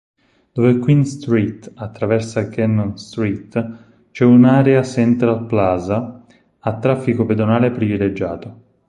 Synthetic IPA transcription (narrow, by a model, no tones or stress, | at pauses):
d̪̥ovekwinst̪ɾit̪at̪ːɾavɛrsakɛnːonst̪ɾit̪ | t͡ʃɛunaːɾeasɛnt̪ɾalplaːza | at̪ːɾafːikoped̪onaːlepɾiviled͡ʒːaːt̪o